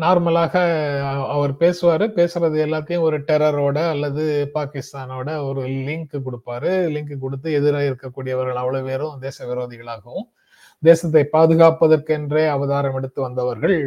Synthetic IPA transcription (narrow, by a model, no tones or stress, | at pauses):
naːɾmɐlaːɣɐɐʋɐɾpeːsɯʋaːɾɯpeːsɪɾɐðɯɛlːaːt̪ːɐjʊ̃ɔɾɯʈɛɾɐɾoːɽɐːlːɐðɯpaːkɪst̪aːnoːɽɐɔɾɯlɪŋkɯkɔɽɯpːaːɾɯlɪŋkɯkɔɽɯt̪̬ːɯɛðɯɾaːjɪɾɯkːɐkːuːɽɪjɐʋɐɾɣɐɭɐʋːɐɭoʋeːɾɯ̃d̪eːsɐʋɪɾoːðɪɣɐɭaːɣɐʋɯ̃m | d̪eːsɐt̪̬ːɐɪpaːðɯɣaːpːɐðɐrkɯɛndreːɐʋɐðaːɾɐmɛɽɯt̪ːɯʋɐnd̪ɐʋɐɾɣɐɭ